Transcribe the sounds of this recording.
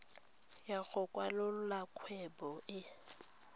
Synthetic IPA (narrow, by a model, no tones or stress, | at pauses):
jaɣʊkʼwalʊlakʰwɛbɔʔɪ